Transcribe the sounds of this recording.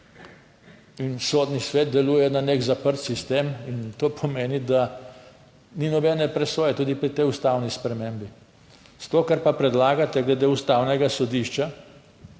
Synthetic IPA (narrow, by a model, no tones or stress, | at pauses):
insoːd̪nisʋeːt̪̚d̪ɛluːjɛnanekzapəɾt̪sist̪emint̪oːpʰɔmeːnid̪a | ninɔbɛːnɛpɾɛsoːjɛt̪uːd̪ipɾit̪ɛjust̪awnispɾɛmembi | st̪oːkaɾpapɾɛd̪laːɡat̪ɛɡlɛd̪eːust̪awnɛɡasɔd̪iʃt͡ʃa